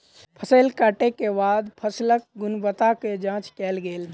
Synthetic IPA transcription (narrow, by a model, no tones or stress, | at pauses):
pʰəsəlkaːʈekebaːd̪pʰəslək̚ɡʊnbət̪aked͡ʒãːt͡ʃkɛːlɡeːl